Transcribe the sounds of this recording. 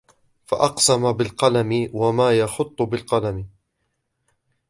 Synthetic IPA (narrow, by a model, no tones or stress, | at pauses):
faʔɑqsamabɪlqɑlamɪwamaːjɑxʊt̪ˤːbɪlqɑlamɪ